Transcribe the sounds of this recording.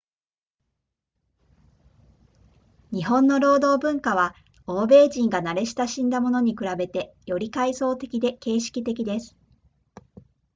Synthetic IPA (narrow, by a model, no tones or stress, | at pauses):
ɲ̟iɦõ̞nːo̞ɾo̞ːd̪o̞ːbɯ̟̃ŋkaβ̞a | o̞ːbe̞ːʑĩŋɡanaɾe̞ɕi̥t̪aɕĩnd̪amo̞noɲ̟ikɯ̟ɾabe̞t̪e̞ | jo̞ɾʲikaiso̞ːt̪e̞kʲid̪e̞ke̞ːɕi̥kʲit̪e̞kʲid̪e̞sɨ̥